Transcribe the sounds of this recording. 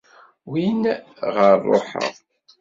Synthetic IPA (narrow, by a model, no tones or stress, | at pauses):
win | ʁəɾrˤːo̰ħə̰ʁ